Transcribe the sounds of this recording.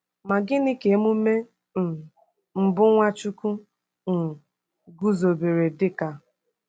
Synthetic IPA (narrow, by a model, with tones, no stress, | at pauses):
ma˨ɡɪ˦nɪ˦ke˨˦mu˦me˦ | n̩˨ | m̩˨bʊ˦ŋʷa˦t͡ʃu˦ku˦ | n̩˨ | ɡu˦zo˨be˨ɾe˨dɪ˦ka˦